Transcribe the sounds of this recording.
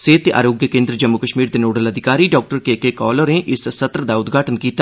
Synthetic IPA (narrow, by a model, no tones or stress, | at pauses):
seːt̪eʔa̰ːɾoːɡjəkẽːnd̪ɾəd͡ʒəmːʊkəʃmiːɾd̪eːnoːɽələd̪ʱɪkaːɾiːɖɔːk̚ʈəɾkeːkekɔːləɾneʔɪssət̪ɾəd̪aʊd̪ɡʱaːʈənkiːt̪a